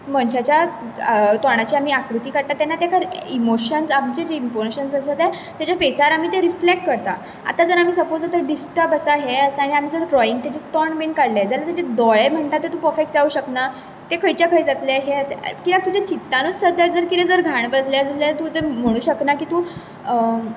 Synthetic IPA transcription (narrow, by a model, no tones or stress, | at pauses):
məɳɕat͡ɕja | t̪ɔɽ̃at͡ɕiam̤iːakɾut̪iːkəɾt̪at̪jɛnːat̪jakaɾimoɕənsamt͡ɕed͡ʑeimponɕənsəsət̪ɛ | t̪jat͡ɕafesaɾam̤iːt̪eɾiflek̚ʈ̚kəɾt̪a̰ | a̰t̪ad͡zəɾam̤iːsəpoat̪əɾɖisʈəpəsaɦeəsəaɽ̃iam̤iːd͡zəɾʈɾɔiŋɡ̚t̪at͡ɕet̪ɔɳbeɳkaɽled͡zalat̪jat͡ɕed̪ɔɭem̤əɳʈ̪at̪ːet̪ũːpɔfeksd͡zauɕəkna | t̪ekʰəjt͡ɕjakʰəjd͡zat̪leɦeəḛkilak̚t̪ud͡ʑat͡ɕit̪ːanut͡ssəd̪əd͡zəɾkit̪ẽd͡zəɾɡʱaɳ̃bəd͡zlaəslat̪ut̪em̤əɽ̃ũːɕəknakiːt̪ũ